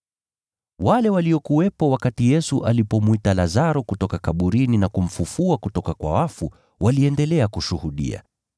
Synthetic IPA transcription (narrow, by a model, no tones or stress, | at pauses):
walɛwaliɔkuwɛpɔwakatijɛsuʔalipɔmwitalazaɾɔkutɔkakaɓuɾininakum̩fufuakutɔkakwa̰wafu | wʔaliɛndɛlɛakuʃuhuɗḭa̰